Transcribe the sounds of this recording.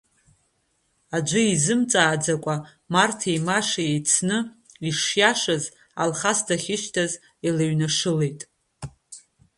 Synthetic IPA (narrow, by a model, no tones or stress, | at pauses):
ad͡ʒʷʊizɨmt͡sʼaːd͡zakʷʼa | martʰejmaʂajejt͡sʰnɨ | iʂjaʂaz | a̰lχasdʰaχʲɪʃtʰaz | ilaɥnaʂɨlejtʼ